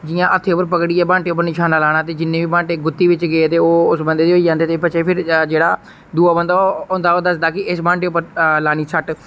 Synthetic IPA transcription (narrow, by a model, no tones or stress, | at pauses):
d͡ʒɪjãːʔət̪ʰːeːʊpːəɾpəkɽiːɛːbãːɳʈeːʊpːəɾnɪʃʰaːnaːlaːɽ̃aːt̪eːd͡ʒɪnːẽːʋiːbãːɳʈeːɡʊt̪ːiːʋɪt͡ʃɡeːt̪eːoːʊsbənd̪eːd̪eːoiːd͡ʒãːnd̪eːt̪eːpət͡ʃʰeːpʰɪɾd͡ʒeːɽaː | d̪uːaːbənd̪aːoːnd̪aːoːd̪əsd̪aːkɪʔɪsbãːɳʈeːʊpːəɾlaːñiːsʰəʈ